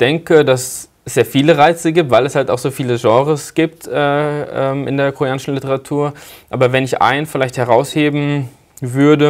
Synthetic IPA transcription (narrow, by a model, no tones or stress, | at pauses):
d̥ɛŋkədas | ɛsz̥eːɐfiːləʁaɪt͡səɡiːp̚tvaɪlɛshaltaʊxz̥oːfiːləʒɑ̃ːʁəsɡ̥iːp̚tʔɛːʔɛːmʔɪ̰ndeːɐkʰoʁijaːnɪʃn̩lɪtəʁatʰuːɐʔaːbɐvɛnɪçʔa̰ɪnənfɪlaɪçthɛʁaʊsheːbm̩ | vʏɐdə